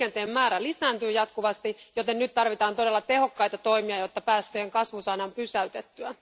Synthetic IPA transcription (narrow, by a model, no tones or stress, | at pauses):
ent̪eːmːæːɾælisæːnt̪yːjɑt̪kuʋɑst̪ijo̞t̪ennyt̪tːɑrʋit̪ɑːnt̪o̞delːɑt̪e̞ho̞kːɑjt̪ɑt̪o̞imiɑjo̞t̪ːɑpæːst̪øjeŋkɑsʋusɑːnɑmpysæyt̪et̪ːyæ